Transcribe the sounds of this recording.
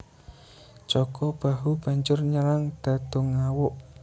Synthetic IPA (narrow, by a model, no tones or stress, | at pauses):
t͡ʃɔɡ̥ɔb̥a̤ɦub̥a̤ɲd͡ʒʊrɲəɾaŋd̪̥a̤d̪̥o̤ŋawʊʔ